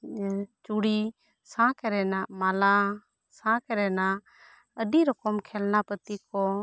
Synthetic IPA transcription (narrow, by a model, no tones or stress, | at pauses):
t͡ʃuɽi | sãkəɾɛːnaːmaːla | sãkəɾɛːna | əɗiːɾɔkɔmkʰɛːlnapət̪ikɔ